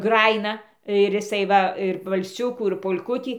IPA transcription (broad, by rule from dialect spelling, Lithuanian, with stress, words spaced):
ˈɡrɑːjɪnɐ ɪr jɪˈsɐɪ ˈʋɐ ɪr ʋɐlʲˈsʲʊkuː ɪr poːlʲˈkʊtʲiː